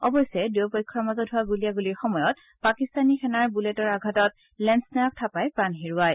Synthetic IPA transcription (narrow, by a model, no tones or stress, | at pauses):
ɔbɔjsɛdewpɔjkʰːɔɹmɔzɔtɦʊaɡulijaɡuliɹxɔmɔjɔt̚ | pakistanixɛnaɹbulɛtɔɹaɡʱatɔt̚ | lɛnsnajak̚tʰapajpɹanɦiɹuaj